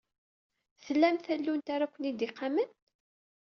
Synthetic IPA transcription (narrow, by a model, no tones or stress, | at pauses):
θəlːæmθælːunt̪aɾakʷːənid̪iqːamən